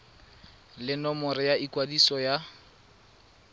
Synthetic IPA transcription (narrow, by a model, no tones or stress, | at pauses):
lɪnɔmɔɾɪjaikwadisɔja